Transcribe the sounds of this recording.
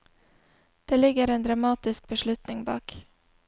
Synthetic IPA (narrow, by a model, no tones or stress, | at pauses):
d̪̥eːlɪɡəɾeːnd̪ɾɑmɑːt̪ɪsk̚bəʃlʉt̪nɪŋbɑ̰ːk